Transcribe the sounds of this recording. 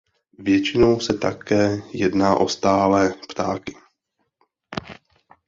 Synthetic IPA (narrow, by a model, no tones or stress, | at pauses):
vjɛt͡ʃɪnowsɛt̪akɛːjɛdnaːʔo̞st̪aːlɛːpt̪a̰ːkɪ̥